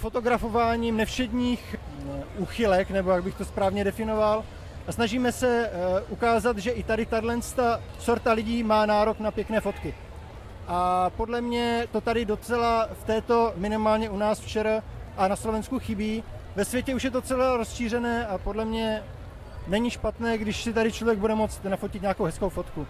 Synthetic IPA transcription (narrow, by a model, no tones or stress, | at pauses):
fo̞t̪o̞ɡɾafo̞vaːɲiːmnɛfʃɛdɲiːx | ʔuːxɪlɛknɛbo̞jaɡ̚bɪxt̪o̞spɾaːvɲɛdɛfɪno̞val | asnaʒiːmɛsɛʔukaːzat̪ʒɛʔɪt̪adɪt̪adlɛnst̪at͡soɾt̪alɪɟiːmaːnaːɾo̞knapjɛknɛːfo̞t̪kɪ | ʔapo̞dlɛmɲɛt̪o̞t̪adɪdo̞t͡sɛlaft̪ɛːt̪o̞mɪnɪmaːlɲɛunaːsft͡ʃɛɾaʔanaslo̞vɛnskuxɪbiːvɛsvjɛcɛuʃjɛd̪ot͡sɛlaɾo̞sʃiːrɛnɛːapo̞dlɛmɲɛ | nɛɲiʃpat̪nɛːɡdɪʃsɪt̪aɾɪt͡ʃlovjɛɡ̚budɛmo̞t͡st̪nafo̞cɪt̪ɲaːkowɦɛskowfo̞t̪ku